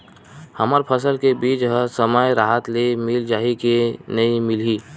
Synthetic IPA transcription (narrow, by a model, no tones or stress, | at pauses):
həməɾpʰəsəlkebiːt͡ʃɦəsəməjɾaːɦət̪lemɪld͡ʒaːɦikenɐĩmɪliː